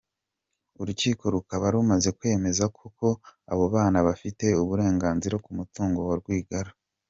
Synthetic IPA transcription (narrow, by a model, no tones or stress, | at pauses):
uɾuciːko̞ɾukaβaɾumaze̞kwe̞ːme̞zakʰuko̞a̰βo̞βaːnaβafite̞uβuɾe̞ːŋɡaːnziɾakumutuːŋɡo̞waɾɡwiːɡaɾḁ